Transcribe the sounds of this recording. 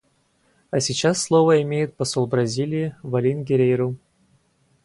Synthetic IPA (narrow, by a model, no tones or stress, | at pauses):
asʲit͡ɕasːlˠovəɪmʲejɪt̪̚pɐsolˠbɾɐzʲilʲɪjɪvɐlʲinʲɡʲeɾʲejɾuw